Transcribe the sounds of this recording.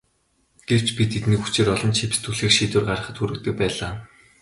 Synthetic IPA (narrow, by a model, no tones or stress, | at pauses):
ɡ̥ew̥t͡ɕpʲit̪ʰet̪nĭːkxut͡ɕɪ̆ɾɔɮɞ̆nt͡ɕʰep̆ʲst̪ʰuɮxiːkʃiːt̪wɘ̆rɢaɾə̆χə̆t̪xuɾɘ̆k̚t̪ɘ̆k̚pæːɮaː